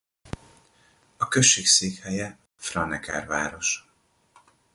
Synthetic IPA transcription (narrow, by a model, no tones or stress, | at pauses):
ɒkøʃːeːkseːkhɛjɛ | frɒnɛkɛ̰rva̰ːɾo̞ʃ